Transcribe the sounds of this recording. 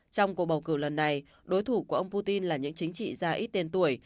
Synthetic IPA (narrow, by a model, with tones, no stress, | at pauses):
t͡ɕɔ˧wŋ͡mku˨˩ək̚ɓə˨˩wkɨ˧˩lə˨˩nːa˨˩j | ɗo˨˦jt̪ʰu˧˩ku˧˩əʔə˧wŋ͡mpu˧t̪i˧nlaː˨˩ɲɨ̰˧˥ŋt͡ɕï˨˦ŋ̟t͡ɕḭ˧˨zaː˧ʔi˦˥t̚t̪e˧nt̪u˧˩əj